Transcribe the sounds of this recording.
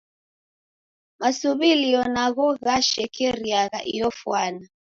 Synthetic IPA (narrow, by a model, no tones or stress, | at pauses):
masuβiliɔnaɣɔɣaʃɛkɛɾiaɣa̰ʔḭjɔfwana